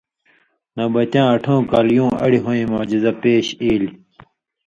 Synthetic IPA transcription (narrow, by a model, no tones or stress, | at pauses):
nɐbɐt͡ɕãːɐʈʰõːkaːljũːɐ̰ɽiɦoːĩmoːd͡ʑizɐpeːɕiːli